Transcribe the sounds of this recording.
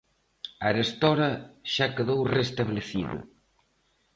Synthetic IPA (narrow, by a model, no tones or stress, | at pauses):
aɾest̪ɔɾɐʃakeðowrest̪aβleθiðɐ̰